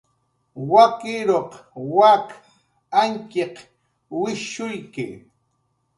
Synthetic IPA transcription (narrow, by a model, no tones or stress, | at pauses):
wakɪɾoqwak | aŋkɪq | wɪʃʊjkɪ